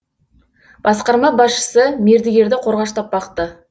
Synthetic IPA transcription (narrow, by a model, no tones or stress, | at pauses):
b̥ɑsqɑɾmɑbɑsʃə̥səmeɾd̪ɪɡʲe̞ɾd̪ɪqʰo̞ɾʁɑʃt̪ɑp̚bɑqt̪ə